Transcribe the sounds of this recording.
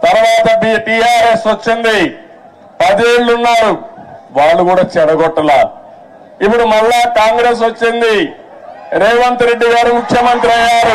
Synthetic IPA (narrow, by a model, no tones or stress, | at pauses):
t̪ɐɾʋaːt̪ɐpiʈiaːɾe̞sʋɐt͡ʃːind̪i | pɐd̪eːɭlunːaːɾuʋaːɭːukuːɽaːt͡ʃɛɽɐɡɔʈːɐlaː | ipːuɽumɐɭːaːkaːŋɡɾe̞ːs̬ʋɐt͡ʃːind̪i | ɾeːʋɐnt̪uɾe̞ɖːiɡaːɾimukʰjɐmɐnt̪ɾiɐjɡaːɾu